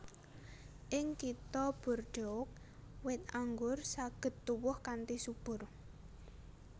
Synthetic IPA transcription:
ʔɪŋkit̪ɔb̥ʊ̤rɖ̥ɔʊk̚ | wɪt̪̚aŋɡʊrsaɡ̥ə̤t̪ːuwʊhkant̪isub̥ʊ̤r

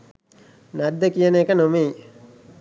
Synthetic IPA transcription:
nad̪ːəkijəneːkənomei

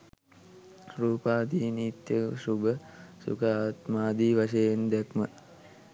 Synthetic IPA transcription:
ɾuːpaːd̪iːniːt̪jəʃubəsṵkaaːt̪maːd̪iːʋaʃejend̪ɛkmə

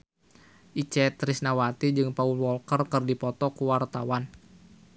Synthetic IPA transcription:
ʔit͡ʃɛt̪ɾisnawat̪id͡ʒɨŋpaulwɔlkərkɨrdipɔt̪ɔkuwart̪awan

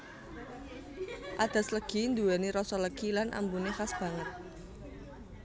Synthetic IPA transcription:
ʔad̪̥a̤sləɡ̥i̤nd̪uwɛniɾɔsɔləɡ̥ilanʔa̰mbunexasb̥a̤ŋət̪̚

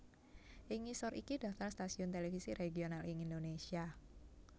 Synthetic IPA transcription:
ʔɪŋisɔɾikidaft̪arst̪asiʊnt̪elefisiɾʔeɡionalɪŋindonesia

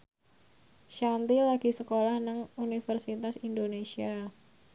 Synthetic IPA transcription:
ʃant̪ilaɡisəkolahnəŋunifərsit̪asindonesia

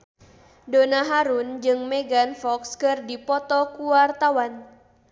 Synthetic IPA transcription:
donaɦaɾund͡ʒɨŋmɛɡanfɔkskɨrdipɔt̪ɔkuwart̪awan

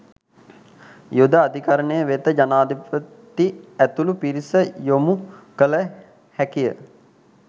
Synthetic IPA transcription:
jod̪əad̪ʱikaɾəɳəjəʋet̪əd͡ʒanaːd̪ipə | t̪iæt̪ulupiɾisəjomukələ | hækijə̰

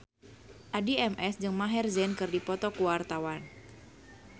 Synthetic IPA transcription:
ʔadiɛmʔɛsd͡ʒɨŋmaɦɛrzɛnkɨrdipɔt̪ɔkuwart̪awan

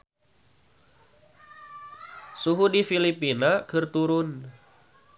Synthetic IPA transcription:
suɦudifilipinakɨrt̪uɾʊn

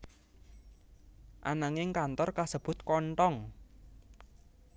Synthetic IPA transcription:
ʔa̰naŋɪŋkant̪ɔrkasəb̥ʊ̤t̪̚kɔɳʈɔŋ

